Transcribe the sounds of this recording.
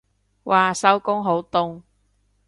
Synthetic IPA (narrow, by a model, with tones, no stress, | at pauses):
wʔaː˨sɐ˨˥wkʊ˥ŋɦo˨˥wt̪ʊ˧ŋ